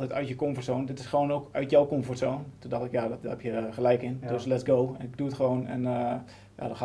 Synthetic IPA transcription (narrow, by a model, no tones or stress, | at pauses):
lˠtɛjtœ̰ɥtjəkomfɔrtsoːndɪtɪsxəʋonoːkœɥtjowkomfortsoːntundɔxtɪkjadɔthɛpjəχəlɛjkɪndøslɛtsɡowɛnɪk̚duətχəʋoːnɛ̰n | ja̰dɔta